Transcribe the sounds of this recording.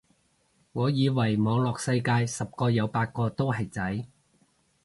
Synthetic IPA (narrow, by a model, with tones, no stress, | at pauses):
ŋɔː˨˧jiː˨˧wɐ˨˩jmɔː˨˧ŋlɔː˨˩k̚sɐ˧jkaː˧jsɐ˨p̚kɔː˧jɐ˨˧wpaː˧t̚kɔː˧t̪o˥wɦɐ˨jt͡sɐ˨˥j